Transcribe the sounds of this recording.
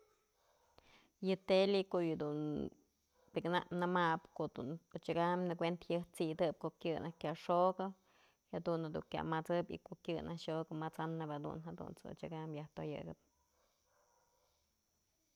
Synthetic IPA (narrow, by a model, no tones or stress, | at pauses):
jɨt̪elikoʔjɨd̪un | piknanɨmapkoʔd̪ṵnot͡ʃaɡamnɨkʷent̪hɨht͡sid̪ɨp̚koʔkʲjɨnahkʲaʔʂoɡɨ | had̪unhad̪ṵŋkʲa̰mat͡sɨbḭkoʔkʲjɨnʔahʂoɡɨmat͡sanɨphad̪ṵnɦad̪ṵnt͡sɨo̰t͡ʃaɡamjaht̪ojɨ̰ɡɨp̚